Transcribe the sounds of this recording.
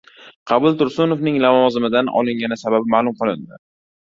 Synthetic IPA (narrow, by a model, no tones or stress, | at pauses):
qʰɑbʊlˠt̪ʊɾsʊnofnɪŋlavɒzɪmɪd̪anʔɒ̰lˠɪŋɡʲanɪsababɪmaːlʊmqɨlˠɪnd̪ɪ